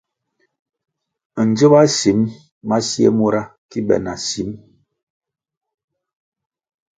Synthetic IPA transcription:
n̩˨d͡ʒə˦ba˦si˨˦m | ma˦si˦ḛ˦mu˦ɾa˦ki˦bɛ̰˨na˨si˨˦m

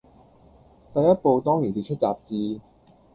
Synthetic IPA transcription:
t̪ɐ˨jɐ˥t̚po˧wt̪ɔː˥ŋjiː˨˩nsiː˨t͡ʃʰɵ˥t̚t͡saː˨p̚t͡siː˧

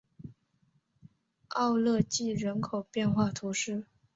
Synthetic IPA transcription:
ɑ˥˧ʊlɤ˥˧t͡ɕi˥˩ɻə˧˥nkʰo˨˩ʊpjɛ˥˧nxwa˥˩t̪ʰu˧˥ʂɻ̩˥˩

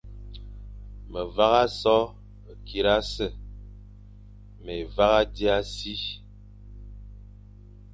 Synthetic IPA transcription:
mə˨va˦ɣa˦sɔ˦˨ | ki˨ɾa˦sə˦˨ | me˨va˦ɣa˦di˦a˦si˦

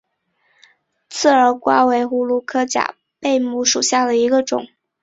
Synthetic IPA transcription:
t͡sʰɹ̩˥˩ə˞˧˥kwa̰˥we˧˥ɪxu˥lu˥˩kʰɤ˥t͡ɕja̰˨˩ | pe˥˧ɪmu˥˩ʂu˨˩ɕja˥˩d̪ə˩i˧˥ɡə˧ʈ͡ʂʊ̰˨˩˦ŋ

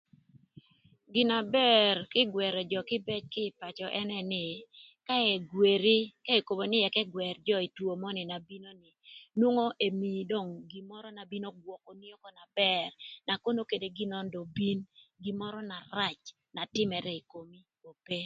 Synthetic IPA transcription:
ɡɪ˨na˨bɛ˦rkɪ˦ɡwɛ˨ɾɛ˨d͡ʒɔ˨kɪ˦bɛ˦t͡ʃkɪ˦˨pa˨t͡ʃɔ˨ʔɛ˦nɛ˦nɪ˨ | ka˦ɛ˨ɡwe˨ɾi˦ka˦e˨ko˨bo˨nɪ˦ɛ˨kɛ˦ɡwɛ˨ɾd͡ʒɔ˦i˨two˨mɔ˦nɪ˨na˨bi˦no˦nɪ˨nwo˦ŋo˦ʔe˨mi˨do˦˨ŋɡi˨mɔ˦ɾɔ˦na˨bi˦no˦ɡwɔ˨kɔ˨ni˦o˦kɔ˨na˨bɛ˦rna˨ko˦no˦ke˨de˨ɡɪ˦nɔ˦ndo˨bi˦nɡɪ˨mɔ˦ɾɔ˦na˨ɾa˦t͡ʃ | na˨tɪ˦mɛ˨ɾɛ˦i˨ko˨mi˦ | o˨pe˦

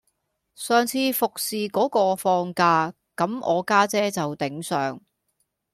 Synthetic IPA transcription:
sœː˨ŋt͡sʰiː˧fʊ˨k̚siː˨kɔː˨˥kɔː˧fɔː˧ŋkaː˧ | kɐ˨˥mʔɔ̰ː˨˧kaː˥t͡sɛː˥t͡sɐ˨wt̪ɪ˨˥ŋsœː˨ŋ

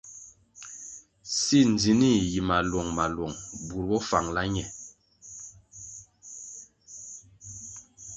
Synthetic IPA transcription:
si˦˨nd͡zi˨ni˦˨ji˨ma˨lwɔ˨ŋma˨lwɔ˨ŋbu˨ɾbɔ˦fa˨ŋla˦ɲɛ˨

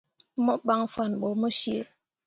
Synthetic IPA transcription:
mɔ˦ɓa˦ŋ˦fa˦˨nɓo˨mə˦ʃi˦e˦

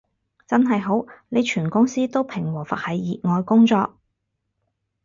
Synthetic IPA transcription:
t͡sɐ˥nɦɐ˨jɦo˨˥wne˨˧jt͡ʃʰyː˨˩nkʊ˥ŋsiː˥t̪o˥wpʰɪ˨˩ŋwɔː˨˩fɐ̰˨t̚hɐ˨˧jːiː˨t̚ŋɔː˧jkʊ˥ŋt͡sɔː˧k̚

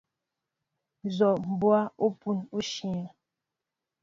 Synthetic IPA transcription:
zɔ˨m̩˨bwa˦u˦pu˦nu˦ʃi˨a˨

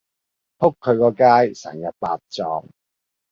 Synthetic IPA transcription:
hʰʊ˥kʰːɵ˨˧ɥkɔː˧kaː˥jsɛ̰˨˩ŋjɐ˨t̚paː˧t̚t͡sɔː˨˧ŋ

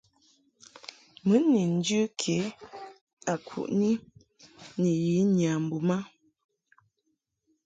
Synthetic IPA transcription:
mə˨˦ni˨n̩˦d͡ʒʉ˦kʰe˨˦ | a˨kʰṵ˨ʔni˦ | ni˨ji˨˦ɲa˨m̩˨bu˨ma˦

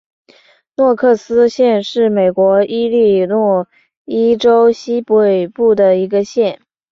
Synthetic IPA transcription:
nwɔ˥˧kʰɤ˥˩sɹ̩˥ɕjɛ˥˧nʂɻ̩˥˩me˨˩ɪkwɔ˧˥i˥li˥˧nwɔ˥˩ | i˥ʈ͡ʂo˥ʊɕi˥pe˨˩ɪpu˥˩d̪ə˩i˧˥ɡə˧ɕjɛ˥˩n

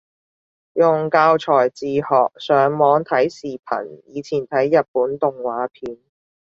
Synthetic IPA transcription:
jʊ˨˩ŋkaː˧wt͡ʃʰɔː˨˩jt͡siː˨hɔː˨k̚sœː˨˥ŋmɔː˨˧ŋt̪ʰɐ˨˥jsiː˨pʰɐ̰˨˩njiː˨˧t͡sʰiː˨˩nt̪ʰɐ˨˥jːɐ˨t̚puː˨˥nt̪ʊ˨ŋwaː˨˥pʰiː˨˧n

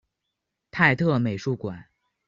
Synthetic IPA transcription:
t̪ʰa˥˧ɪt̪ʰɤ˥˩me˨˩ɪʂu˥˩kwa̰˨˩˦n

